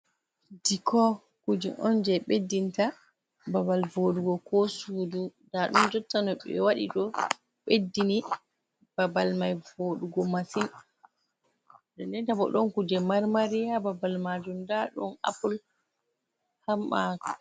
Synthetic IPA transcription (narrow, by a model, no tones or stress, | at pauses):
dikʰɔ | kud͡ʒɛʔɔnd͡ʒɛɓedːinta | babalvoɗuɡɔkɔsuːdudaɗɔnd͡ʒɔtːanɔɓɛ̰waɗḭɗɔ | ɓedːini | b̥abalmajvoɗuɡɔmasin | dɔndɛntabɔ̰ɗɔnkud͡ʒɛmaɾmaɾijababalmad͡ʒumdaɗɔ̰na̰pul | hamːa